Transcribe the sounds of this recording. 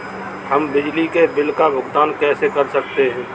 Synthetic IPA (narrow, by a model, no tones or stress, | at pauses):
hɐmbɪd͡ʒlikebɪlkabʱʊɡt̪aːnkɛːsekɐɾsɐk̚t̪eɦɛ̃ː